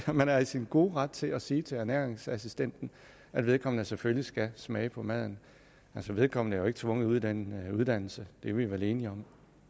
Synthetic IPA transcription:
mænæɐisinɡ̥o̝̰ːʁɑd̥̚t͡sʰe̝læsiːt͡sʰe̝læɐnæɐeŋsæsisd̥en̰d̥n̩ | ʔæd̥ʋe̝ð̞ˠkʰɒ̽m̰nəseføljisɡ̥æsmɛːɪpʰɒ̽mæð̞̰ˠn̩ | ælsɒ̽ʋe̝ð̞ˠkʰɒ̽m̰nəæɐjoe̝ɡ̥ə̥t͡sʰʋɔ̽ŋ̰ð̩ˠuð̰ˠd̥enuð̞ˠd̥æn̰l̩səd̥e̝ʋeiʋælˠe̝ːniɒ̽m

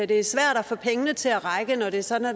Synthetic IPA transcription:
æd̥e̝æɐsʋæɐ̰ɾ̥æfɔ̰̽pʰeŋənət͡sʰe̝æʁɑ̈ɪɡ̥ənɒɾ̥e̝ɐsɒ̽d̥n̩æ

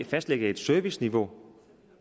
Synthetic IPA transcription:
fæsd̥leɡ̥ɐe̝d̥sœɐʋisniʋo̝

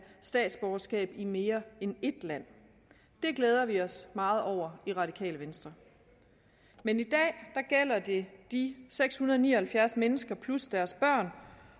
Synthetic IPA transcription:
sd̥ɛ̰ːd̥sb̥ɒʊɐsɡ̥ɛ̰ːb̥ime̝ːɐene̝d̥læn̰ | d̥e̝ɡ̥leːð̞ˠɐʋiɒ̽smɑ̈ːð̞̩ˠɒʊ̰ɐiʁɑ̈d̥ikʰɛ̰ːləʋensd̥ʁɐ | menid̥ɛ̰ːd̥ɑ̈ɡ̥el̰ɐd̥e̝d̥iseɡ̥shunɐð̞ˠnḭːɐhælfjæɐsmenəsɡ̥ɐpʰlusd̥æɐsb̥ɶɐ̰n

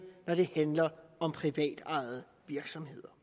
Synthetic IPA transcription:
nɒɾ̥e̝hænlɐɒ̽mpʰʁiʋɛ̰ːd̥ɑ̈ɪð̩ˠ | ʋiɐɡ̥sɒ̽mhe̝ð̞̰ˠɐ

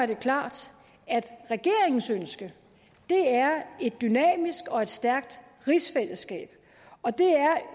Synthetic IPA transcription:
ɐd̥e̝kʰlɑ̰̈ːd̥ | æd̥ʁɛɡ̥e̝ɐ̰eŋn̩sønsɡ̥ə | d̥e̝æɐe̝d̥ːynɛ̰ːmisɡ̥ɒ̽e̝d̥sd̥æɐɡ̥̚d̥ | ʁisfel̰əsɡ̥ɛ̰ːb̥ | ɒ̽d̥e̝æɐ

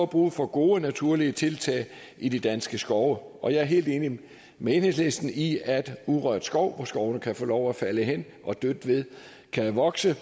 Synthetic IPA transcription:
ɒb̥ʁṵːfɒ̽ɡ̥o̝ːənæt͡sʰuɐ̰liət͡sʰe̝lt͡sʰɛ̰ːɪ | id̥id̥ænsɡ̥əsɡ̥ɒʊʔɒ̽jɑ̈ɪæɐɦe̝̰ːld̥e̝ːni | mee̝ːnhe̝sle̝sd̥n̩iæd̥uðˠʁœɐ̰d̥sɡ̥ɒʊ̰ʋɒsɡ̥ɒʊnəkʰæfoːlɒʊæfæləɦen̰ | ʔɒ̽d̥ød̥əʋe̝ðˠ | kʰæʋɒ̽ɡ̥sə

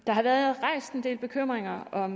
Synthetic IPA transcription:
d̥ɑ̈ɦɑ̈ʋæːɐðˠðʁɑ̈ɪ̰sd̥end̥e̝̰ːlb̥e̝kʰøm̰ʁeŋɐɒ̽

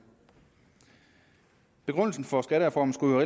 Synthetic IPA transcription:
b̥e̝ɡ̥ʁɔn̰l̩sn̩fɒ̽sɡ̥æɾəʁɛfɒːmn̩sɡ̥uøʁe

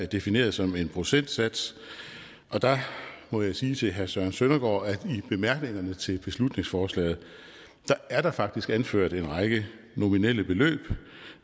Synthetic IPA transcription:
æɐd̥e̝fine̝̰ːɐðˠsɒ̽me̝npʰʁo̝sen̰d̥sæd̥s | ʔɒ̽d̥ɑ̈mɔ̽jɑ̈ɪsiːt͡sʰe̝ɦæɐsɶɐnsønɐɡ̥ɒ̰ːæd̥ib̥e̝mæɐɡ̥ne̝ŋɐnət͡sʰe̝lb̥e̝slud̥ne̝ŋsfɒːslɛ̰ːð̞̩ˠ | d̥ɑ̈æɐɾ̥ɑ̈fɑ̈ɡ̥̚d̥isɡ̥ænføɐ̰d̥e̝nʁɑ̈ɪɡ̥ə | no̝minel̰əb̥e̝lø̰ːb̥

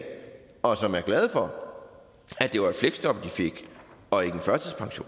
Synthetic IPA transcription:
ɒ̽sɒ̽mæɐɡ̥lɛð̞ˠfɒ̽ | æd̥e̝ʋɑ̈e̥fleɡ̥sd̥ɒ̽b̥d̥ife̝ɡ̥ | ɒ̽e̝ɡ̥ənfɶɐt͡sʰiðˠpʰɑ̈ŋɕo̝̰ːn

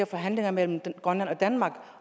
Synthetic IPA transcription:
ɐfɒ̽ɦæn̰le̝ŋɐmel̰m̩ɡ̥ʁœnlænɒ̽d̥ænmɑ̈ːɡ̥

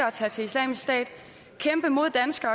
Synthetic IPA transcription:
ɐɒt͡sʰɛ̰ːt͡sʰe̝islɛ̰ːmissd̥ɛ̰ːd̥ | kʰemb̥əmo̝ð̞̰ˠd̥ænsɡ̥ɐɒ

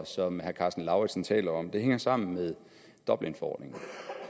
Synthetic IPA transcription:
sɒ̽mhæɐkʰɑ̈sd̥n̩lɑ̈ʊʁi̥sn̩t͡sʰɛ̰ːlɐɒ̽md̥e̝ɦeŋɐsɑ̈m̰n̩meðˠ | d̥ɒ̽b̥lenfɒɒ̰ːd̥ne̝ŋn̩

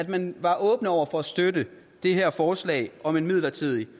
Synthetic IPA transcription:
æd̥mænʋɑ̈ʔɔ̽ːb̥n̩ɒʊ̰ɐfɒ̽æsd̥ødə | d̥e̝ɦæɐ̰fɒːslɛ̰ːɪɒ̽me̝nmið̞̰ˠlɐt͡sʰið̰ˠi

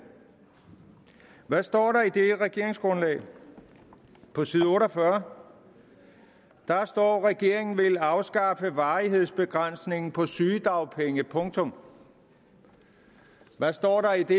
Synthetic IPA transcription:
ʋæsd̥ɒ̰ːɾɑ̈id̥e̝ʁɛɡ̥e̝ɐ̰e̝ŋsɡ̥ʁɔ̽nlɛ̰ːɪ | pʰɒ̽siːðˠɔ̽ːɾɒfɶɐ | d̥ɑsd̥ɒ̰ːʁɛɡ̥e̝ɐ̰e̝ŋn̩ʋe̝lɑ̈ʊsɡ̥ɑ̈fəʋɑ̈ːiɦe̝ð̰ˠsb̥e̝ɡ̥ʁan̰sne̝ŋn̩pʰɒ̽syːd̥ɑ̈ʊpʰeŋəpʰɔ̽ŋt͡sʰɔ̽m | ʋæsd̥ɒ̰ːɾɑ̈id̥e

